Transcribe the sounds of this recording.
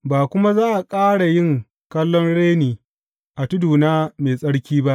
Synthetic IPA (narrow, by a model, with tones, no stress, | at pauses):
baː˨kʷʊ˦ma˦zaː˦ʔa˨kʼaː˦ɽa˨jɪ˦ŋ | kɐ˦lːɔ˦nɽeː˦niː˨ | ʔa˨tʊ˦duː˨naː˦meː˨sʼɐ˦ɽkʲiː˦ba˦ʔ